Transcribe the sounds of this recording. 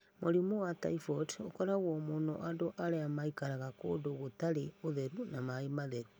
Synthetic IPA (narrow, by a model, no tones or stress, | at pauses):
moɾimowata̰ifɔtokɔɾaɣɔmonoʔadoʔaɾeamaikaɾaɣako̰ːdoɣotaɾeoðeɾunamaemaðeɾu